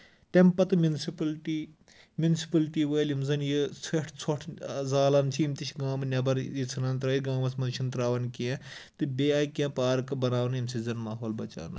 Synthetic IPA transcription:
t̪empɐt̪ɨmʲunsipɐlʈi | mʲjunisi̥pɐlʈiːʋɐjlimzɐnjit͡sʰeʈʰt͡sʰoʈʰzaːlɐnt͡ʃʰiimt̪it͡ʃʰʲɡãːmɨnʲɐbɐɾit͡sʰɨnaːnt̪ɾɐiɡãːmɐsmɐnt͡ʃʰint̪ɾaːʋɐnkiẽt̪ɨbʲeaːjkʲãːpaːɾkɨbɐnaːwnjimsizɐnmaːɦoːlbɐt͡ʃa̰ːnɐ̰

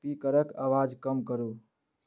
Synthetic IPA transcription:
pikəɾəkaʋaːd͡ʒkəmkəɾuː

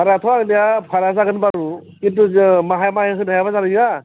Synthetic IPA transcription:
aɾatʰɔaɡnijapʰaɾazaɡɯnbaɾukint̬umaɦajmajɦɯnajabazaɾɯja

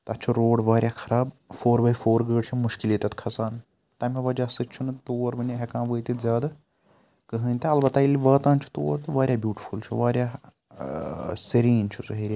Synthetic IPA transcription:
t̪ɐt͡ʃʰuɾoːɽʋaːɾʲjaːkʰɐɾaːb | foːɾbɐifoːɾɡəːɖt͡ʃʰimuʃkiliːt̪ɐt̪kʰɐsaːn | t̪ɐmiʋɐd͡ʒaːsɨtʲt͡ʃʰunɨt̪oːɾbɐniɦekãːnʋəːjt̪it̪zʲaːd̪a | kəɦə̃ːnʲt̪ɐɐlbɐt̪aːilʲiʋɐːt̪aːnt͡ʃʰu̥t̪o̰ːɾt̪ɨʋaːɾʲjaːbjuːʈifʰult͡ʃʰuʋaːɾʲjaː | siɾiːnt͡ʃʰusɐɦeːɾʲi

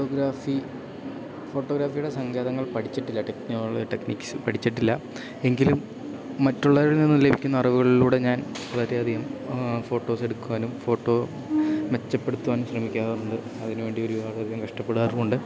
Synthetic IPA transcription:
oɡɾaːfi | fo̞ːʈːoːɣɾaːfijuɽe̞sɐŋɡeːðɐŋːɐɭpɐʈʰit͡ɕːiʈːilːɐʈekniɐɭʈekniːkʲsɨpɐʈʰit͡ɕːiʈ̬ːilːɐ | e̞ŋɡilumː | ɐtːuɭːɐʋɐɾɽninːɨlebʱikʲːunːɐrɐʋuɣɐɭiluːɽe̞ɲaːn | pɐlɐɾeɐd̪ʱijɐmfo̞ːʈːo̞ːse̞ɽukːuaːnumfo̞ːʈːo̞ː | ʋe̞t͡ɕːɐpːeɽut̪ːuʋaːnumɕrɐmikʲːaːɣɐuɳɖɨ | ɐðinuʋe̞ːɳɖio̞ɾubaːɾɨɐd̪ʱijɐmkɐʂʈɐpːe̞ɽaːðkoɳɖɨ

